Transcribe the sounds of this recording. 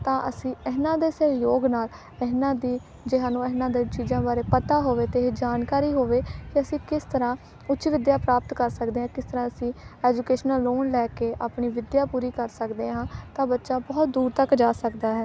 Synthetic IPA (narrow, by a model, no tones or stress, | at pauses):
t̪ãːʔə̰sĩːɪɦnãːd̪eːsəjoːɡnaːl | ɪɦnãːd̪iː | d͡ʒɪɦãːnũːəɦnãːd̪ẽːt͡ʃiːzãːbaːɾeːpət̪aːɦoːʋeːt̪eːɦeːd͡ʒaːnkaːɾiːɦoːʋeːkɪəsĩːkɪst̪əɾãː | ʊːt͡ʃʃʋɪd̪jaːpɾaːp̚t̪kəɾsəkd̪eːɦãːkɪst̪əɾãːəsĩːɛːd͡ʒukeːʃənəloːnlɛːkeːʔaːpɳiːʋɪd̪jaːpuːɾiːkəɾsəkd̪eːɦãːt̪ãːbətːʃaːbɔːt̪̚d̪uːɾt̪əkd͡ʒaːsəkd̪aːɦɛː